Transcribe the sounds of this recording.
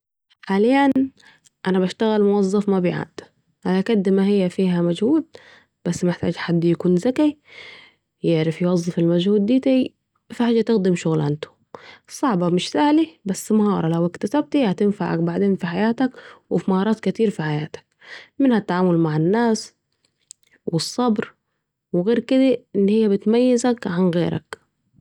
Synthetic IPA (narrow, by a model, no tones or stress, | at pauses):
ħaːlɪjan | ʔanabaʃt̪aɣalmʊwɑzˤːɑfmabɪjʕa̰d̪ | ʔalakad̪ːmahɪjːafiːɦamad͡ʒhuːd̪̚ | b̥asːmaɪħt̪aːd͡ʒħad̪ːjakuːnzaki | jɪʕɾɪfjwɑzˤːɨfɪlmad͡ʒhuːd̪ːiːt̪a | fiħaːd͡ʒːat̪ɪxd̪ɪmʃʊɣlʕant̪ʊ̥ | sˤɑʕbɑmɪʃsaːhlibasːmahɑːɾˤɑlawɪkt̪asab̚t̪ijaʕt̪anfaʕa̰kbaʕd̪eːnfiħajaːt̪akwɪfimahɑːɾˤɑːt̪kɪt̪iːɾfiħajaːt̪ḁk̚ | mɪnhat̪ːaʕaːmʊlmaʕɪnːaːs | wɪsˤːɑbɾ | wɪɣeːɾkɪd̪aʔɪnːhɪjːabɪt̪majːɪzakʕanɣḛːɾʔa̰k